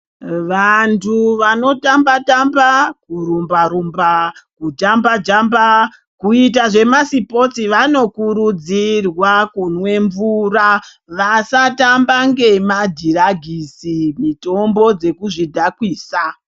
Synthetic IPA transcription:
ʋantʰuʋano̞tambatambakuɾumbaɾumbakud͡ʒambad͡ʒamba | kuit̬aʐe̞masipo̞t͡siʋano̞kuɾud͡zirwakunwe̞ɱvuːra | ʋasatambaŋɡe̞madʱiraɡʱisimito̞mbo̞d͡ze̞kuʐidʱakwiːsa

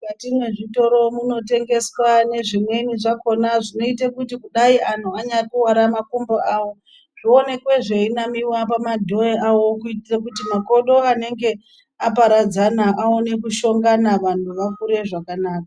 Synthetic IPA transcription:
katimwe̞ʐito̞ɾo̞muno̞te̞ŋɡe̞swane̞ʐimwe̞niʐako̞naʐino̞itakutikuɗaiʔan̤uaɲakuwaɾamakumboʔawo̞ | ʐ̥ione̞kwe̞ʐe̞inamiwap̬amadʱo̞eawo̞kuitirakutimakoɗo̞ane̞ŋɡe̞ | apaɾad͡zanaʔaone̞kuʃo̞ŋɡanaʋan̤uʋakuɾe̞ʐakanaːka

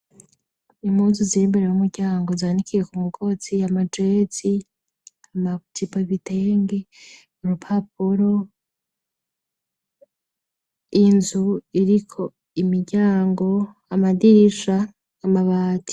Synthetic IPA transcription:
imuːnzuzimbe̞ɾejumuɾɟaːŋɡo̞zaanikʰije̞kumuɡʰo̞t͡siamad͡ʒet͡si | amat͡ʃipaiβiteŋɡe | uɾupʰap̚uɾo̞ | inzuiɾikʰo̞ | imiɟaːŋɡo̞ | amadiɾiʃaː | maβaːti̥

